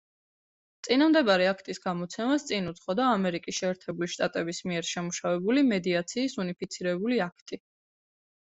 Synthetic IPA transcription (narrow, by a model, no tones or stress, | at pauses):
t̪sʼinamd̪ɛbaɾiakʰt̪ʼisɡamɔt̪sʰɛmast̪sʼinut̪sχɔd̪aːmɛɾikʼisʃɛːɾt̪ʰɛbuliʃt̪ʼat̪ʼɛbismiɛɾʃɛmuʃavɛbulimɛd̪iat̪sʰiːsunipʰit̪sʰiɾɛbuliakʰt̪ʼi